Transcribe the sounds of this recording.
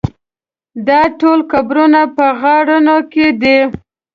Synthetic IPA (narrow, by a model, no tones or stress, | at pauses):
d̪ɑʈolkabɾunapəɣɑɽənoked̪i